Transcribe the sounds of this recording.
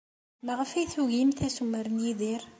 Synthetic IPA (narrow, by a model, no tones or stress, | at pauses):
məʁfiθuɣimθæsumːəɾənjiðˤiɾ